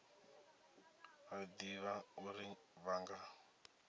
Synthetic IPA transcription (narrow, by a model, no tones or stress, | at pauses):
ad̪iβauɾiβaŋɡa